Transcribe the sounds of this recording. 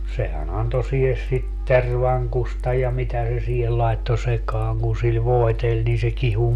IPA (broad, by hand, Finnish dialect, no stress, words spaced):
sehæn ɑnto sihes sit terʋɑŋkustɑ jɑ mitæ se siːhel lɑetːo sekɑːŋ kun sil ʋoetelʲ niː se kihu